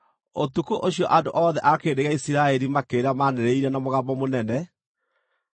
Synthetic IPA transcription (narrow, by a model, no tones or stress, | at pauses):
otukoʔoɕjɔʔandoʔɔːðɛʔakeːdeɣaisiɾaɛɾimakeːɾamanɛɾeiɾɛnamoɣabɔmonɛnɛ